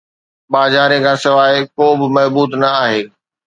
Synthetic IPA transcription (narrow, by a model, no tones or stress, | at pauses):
ɓaːzaːɾẽkʰãːsɪʋaːɪkoːbɪmɐɦbuːt̪nɐaːɦeː